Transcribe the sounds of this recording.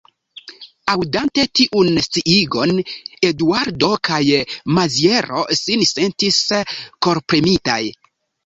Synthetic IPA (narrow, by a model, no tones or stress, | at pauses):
awdante̞tiʔunst͡siʔiɡo̞ne̞duaɾdo̞kʰajmazie̞ɾo̞̰sinse̞ntisko̞ɾpɾemita̰j